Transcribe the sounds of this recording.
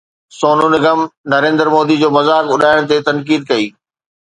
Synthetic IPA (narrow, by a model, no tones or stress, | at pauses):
soːnunɪɡəmnɐɾẽːnd̪əɾmoːd̪id͡ʑoːmɐzaːkʊɗaːɪɽ̃t̪et̪ɐnkiːd̪̚kɐiː